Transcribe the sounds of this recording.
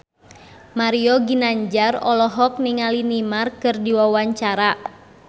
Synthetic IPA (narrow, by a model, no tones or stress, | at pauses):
maɾiɔɡinaɲd͡ʒarɔ̰lɔɦɔk̚niŋalinimarkɨrdiwawaɲt͡ʃaɾa